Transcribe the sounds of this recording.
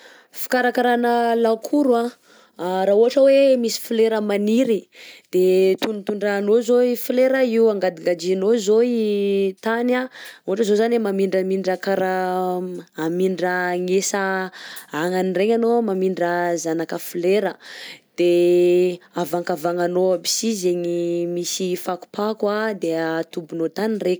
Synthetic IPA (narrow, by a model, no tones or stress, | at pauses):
fi̥kaɾakaɾanəlakʰuɾua | ɾauɦaʈ͡ʂəwemisi̥fileɾəmaniɾid̪̥et̪unit̪uɳɖ͡ʐaːnozoifileɾəiuaŋɡad̪iɡad͡ʒinozoit̪anauaʈ͡ʂəzozanemamiɳɖ͡ʐamiɳɖ͡ʐakaɾa | amiɳɖ͡ʐəŋesa | aŋanireŋanomamiɳɖ͡ʐəzanakəfileɾəd̪̥e | avaŋkavaŋanoabi̥sizeɲimisifaku̥pakwad̪et̪ubunot̪anire